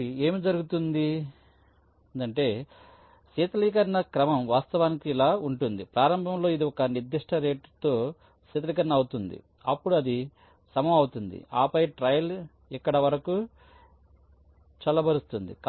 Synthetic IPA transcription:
eːmid͡ʒɐɾuɡut̪und̪i | nd̪ɐɳʈe̞ː | siːt̪ɐliːk̬ɐɾnɐkɾɐmɐmʋaːst̪ɐʋaːnikiːlaːuɳʈund̪ipɾaːɾɐmbʱɐmlo̞ːid̪iɔkɐniɾd̪ːiʂʈʰɐɾe̞ːʈt̪o̞ː | siːt̪ɐlikɐɾnɐːwut̪und̪ḭ | ɐpːuɽuɐd̪i | sɐmɐmɐwut̪und̪ḭaːpɐjʈɾɐjɐl | ikːɐɽɐʋɐɾɐku | t͡ʃɐlɐbʱɐɾust̪und̪ḭk

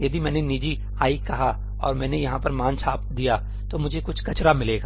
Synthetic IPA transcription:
jɐd̪imɛ̃ːnenid͡ʒi | aːikɐɦa | ɔːɾmɛ̃ːnejɐɦãpɐɾmãːnt͡ʃʰaːpd̪ija | t̪omʊd͡ʒʱekʊt͡ʃʰkɐt͡ʃɾamɪleːɡaː

